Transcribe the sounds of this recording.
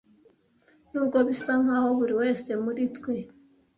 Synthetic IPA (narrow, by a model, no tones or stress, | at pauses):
nuːbɡo̞βisaŋ̥aho̞βuɾiwe̞ːse̞muɾitkwe